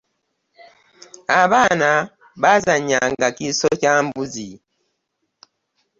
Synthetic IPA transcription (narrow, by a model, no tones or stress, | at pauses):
aβaːna | βazaɲːaŋɡacisocaːmbuzi